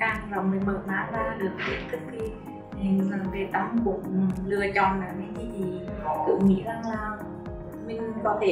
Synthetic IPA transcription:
aː˧˩ŋvaː˨˩mɨ˨˩jməː˨˩t̚ma̰ː˧˥ɓaː˧ɗɨ˨˩ək̚tʰḭ˧˩˦t͡ɕɨ˦˥k̚xi˧ | i˨˩ŋvə˨˩nke˨˩t̪ə˧wŋ͡mkʊ̰˧˥ŋ͡mlɨ˧ət͡ɕɔ̰˧˨nlaː˨˩ma˧˨˦ki˧˦zi˨˩˨kɨ̰˧˩ŋ͡mŋḭ˧˥zaː˨˩ŋlaː˨˩ | mï˨˩ŋ̟kɔ˨˧˦t̪ʰe˧˩

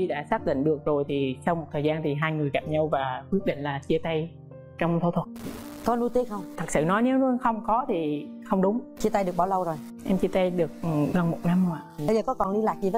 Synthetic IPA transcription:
i˧ɗa̰ː˧˥saː˦˥k̚ɗḭ˧˨ŋ̟ɗɨ˨˩ək̚zo˨˩jt̪ʰi˨˩sa˧wŋ͡mmo˨˩t̚t̪ʰəː˨˩zaː˧nt̪ʰi˨˩ɦaː˧jŋɨ˨˩əjka˨˩p̚ɲa˧wvaː˨˩kwi˦˥k̚ɗḭ˧˨ŋ̟laː˨˩t͡ɕi˧ət̪a˧j | t͡ɕɔ˧wŋ͡mt̪ʰt̪ʰwə˨˩t̚kɔ˨˦nu˧jt̪i˧˦xə˧wŋ͡mt̪ʰə˨˩t̚sɨ̰˧˨nɔ˨˦jne˨˦wnu˧xə˧wŋ͡mkɔ˨˦t̪ʰi˨˩xə˧wŋ͡mɗʊ˨˦ŋ͡mt͡ɕi˧t̪a˧jɗɨ˨˩ək̚ɓa˧˩wlə˧wzo˨˩j | ʔɛ˧mt͡ɕi˧ət̪a˧jɗɨ˨˩ək̚ɣə˨˩nmo˨˩t̚na˧mhŋ͡mʔa̰ː˧˨ɓə˧jzəː˨˩kɔ˨˦kɔ˨˩nɗi˧laː˨˩k̚zi˨˩əː˨˦

